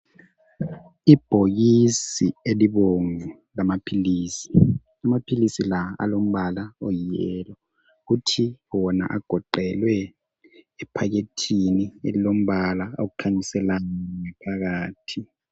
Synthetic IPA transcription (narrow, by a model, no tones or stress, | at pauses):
ib̥ʱoɣ̬isieliɓoŋu | lamapʰiliːsi̥ | amapʰilisilaa̰lom̩ɓalaɔjijɛlɔ | utʰiwɔna̰ʔaɡ̥ʱɔǃɛlwɛ | ɛpʰak̬etʰiniḛlilom̩ɓalaok̬ukʰaɲisɛlanaŋɛpʰak̬aːtʰi